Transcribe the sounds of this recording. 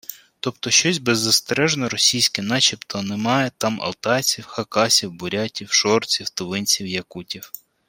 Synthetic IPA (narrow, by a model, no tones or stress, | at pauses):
t̪ɔpt̪ɔʃt͡ʃɔsʲbɛzːɐst̪ɛɾɛʒnɔɾɔsʲijsʲkɪnɑt͡ʃʲipt̪ʰɔnɛmɑjɛt̪ɑmɐ̰lˠt̪ɑt͡sʲiwxɐkɑsʲiwbʊɾʲatʲiwʃɔrt͡sʲiwt̪ʊʋɪnʲt͡sʲiwjɐkutʲiw